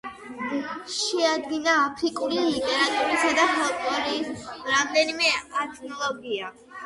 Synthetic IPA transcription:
ʃɛad̪ɡinaːpʰɾikʼuliːkʼɾat̪ʼuɾisad̪ahɛlk̪ʼlˠɔɾisɾamd̪ɛnimɛat̪ʰʼnɔlˠɔɡia

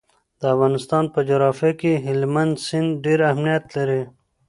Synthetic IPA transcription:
d̪əafɣɑnɪst̪ɑːnpəd͡ʒoɾɑːfjakeɦɪlmand̪sɪnd̪ɖeɾahmnijat̪laɾi

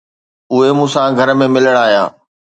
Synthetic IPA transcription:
ʊɦemũːsãɡʱɐɾmẽmɪləɽ̃aːɦja̰ː

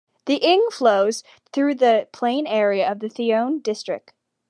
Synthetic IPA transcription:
ðiʔɪ̃ŋfloʊz̥ | θɹʉðɨpʰl̥ẽɪ̃nɛɹiɨʌvðɨθiõʊ̃ndɪstɹ̥ɨ̰k̚t̚

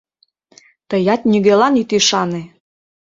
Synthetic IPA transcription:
t̪əjɑt̪nyɣelɑnit̪iʃɑne

